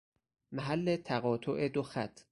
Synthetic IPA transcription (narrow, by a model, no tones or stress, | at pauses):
mæɦælːe̞t̪ʰæɣɒːt̪ʰoʔe̞d̪oxæt̪ʰ